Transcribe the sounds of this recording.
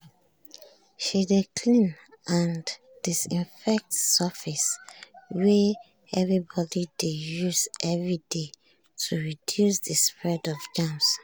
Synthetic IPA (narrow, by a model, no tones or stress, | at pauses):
ʃidekʰlĩn | ãn | d̥isĩnfɛk̚tsəfis | we | ɛvɹibɔdidejusʔɛvɹide | tʰuɹidjusðəspɹɛdɔvd͡ʒãms